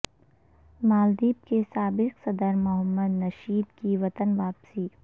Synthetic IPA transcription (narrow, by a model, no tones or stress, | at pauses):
maːld̪iːb̚kesaːbɪqsɐd̪əɾmʊɦəmːəd̪nɐʃiːd̪kiʋɐt̪ənʋaːpsiː